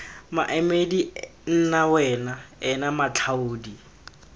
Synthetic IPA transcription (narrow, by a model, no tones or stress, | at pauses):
maʔɛmedin̩nawɛnaɛnamat͡ɬʰaoːdi